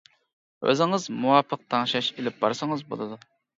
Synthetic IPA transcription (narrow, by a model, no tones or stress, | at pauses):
ø̰zɪŋɨzmuwɑːpʰːəq̚t̪ʰɑŋʃɑʃelɪp̚bɑɾsəŋəzbo̰lˠɨd̪u